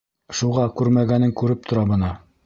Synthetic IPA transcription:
ʃuʁɑkʉɾmæɡænɘŋkʉɾɘp̚t̪ʰŏɾɑbɤ̆nɑ

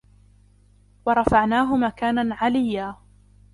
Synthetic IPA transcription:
wɑɾˤɑfaʕnaːɦʊmakaːnanʕalɪjːaː

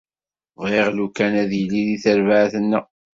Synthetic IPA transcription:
ʁeʁlukːænæðjəlːiðiθəɾvaʕθənːa

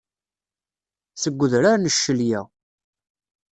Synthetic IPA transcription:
səɡʷːəðɾaɾnəʃːəljæ

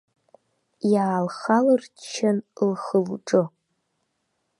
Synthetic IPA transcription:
jaːlχalɨrt͡ʃʰɐnlχəlʈ͡ʂʼɨ

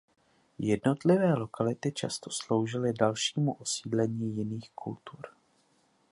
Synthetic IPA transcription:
jɛdno̞t̪lɪvɛːlo̞kalɪt̪ɪt͡ʃa̰st̪o̥slo̞wʒɪlɪdalʃiːmuʔosiːdlɛɲiːjɪniːxkult̪uɾ

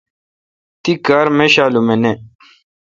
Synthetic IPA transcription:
t̪ikaːɾmeɕaːlumene

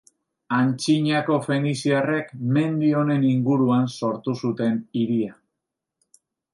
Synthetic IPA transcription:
ant͡ʃiɲako̞fe̞nisiare̞kme̞nd̪io̞ne̞niŋɡuɾuanso̞ɾt̪usut̪e̞niɾia

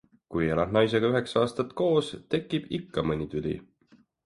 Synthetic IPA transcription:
kujelɑd̪nɑjs̬e̞ɡ̥ɑyɦeksɑɑːst̪ɑt̪ko̞ːst̪e̞kːˑib̥ikːɑmɤnʲit̪ylʲḭ

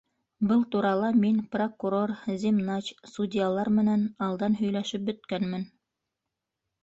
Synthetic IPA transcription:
bɤlˠt̪uɾɑlˠɑminprokuɾo̞rzʲimnɑt͡ɕsudʲɪjalˠɑɾmɘ̆nænɑlˠd̪ɑnɦɵ̆jlæʃɘp̚bɵ̆t̪kænmɘn

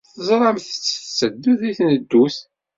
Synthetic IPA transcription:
θəzˤɾˤɑmθət͡sːə̥θt͡sːəd̪ːuθiθnəd̪ːuθ

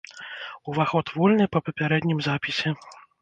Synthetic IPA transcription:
uvaxɔt̪vɔlʲnɨpɐpɐpʲaɾɛd̪ʲnʲimzapʲisʲɛ

